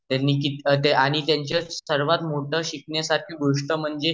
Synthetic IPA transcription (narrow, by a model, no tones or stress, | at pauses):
t̪janːiːkit̪t̪aɽ̃it̪jaɲt͡ɕasəɾʋat̪moʈʰəɕikɳjasaɾʈʰiːɡoʂʈəm̤əɳd͡ze